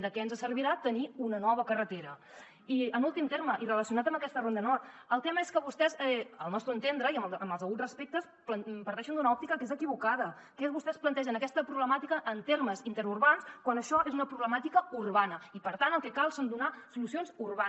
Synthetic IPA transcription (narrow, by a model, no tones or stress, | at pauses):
d̪əkɛənzəsərβiɾat̪əniunənɔβəkərət̪eɾə | iənulˠt̪imt̪erməʔirələsiunat̪əmbəkɛst̪ərond̪ənɔrt̪əlˠt̪ɛməeskəβust̪ɛzɛəlˠnɔst̪ɾuənt̪end̪ɾəiəməməlˠzəɣurəspek̚t̪əs | pləpəɾt̪ɛʃənd̪unəɔp̚t̪ikəkezəkiβukaðə | kɛzβust̪ɛsplənt̪ɛʒənəkɛst̪əpɾuβləmat̪ikəʔːnt̪erməzint̪əɾurβanskwanəʃɔʔezunəpɾuβləmat̪ikəurβanəipəɾt̪anəlˠkɛkalˠsənd̪unasulusionzurβa